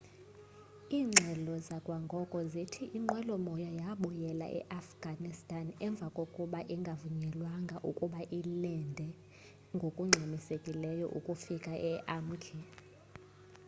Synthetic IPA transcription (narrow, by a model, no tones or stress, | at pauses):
iːŋ͡ǁʱɛlɔzakʼwaŋɡʱɔkʼɔzitʰiʔiŋ͡ǃwɛlɔmɔjajaɓujɛla̰ʔɛ̰ʔafɡ̥ʱanistʼanɛɱb̪vʱakʼokʼuɓaʔiŋɡʱavuɲɛlwaŋɡʱaʔukʼuɓaʔilɛndʱɛ | ŋɡʱokʼuŋ͡ǀʱemisekʼilɛjɔ̰ʔṵkʼufikʼaʔɛʔam̩kʰi